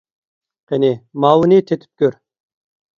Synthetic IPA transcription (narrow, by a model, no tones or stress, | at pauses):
qʰenɪmɑːwnɨt̪ʰet̪ʰy̥p̚kʲʰøɾ